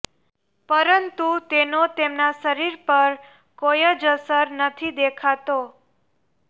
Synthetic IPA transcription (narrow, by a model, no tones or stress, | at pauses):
pəɾənt̪ut̪enot̪emnaʃəɾiɾpəɾ | kojəd͡ʒəsəɾnət̪ʰid̪ekʰat̪o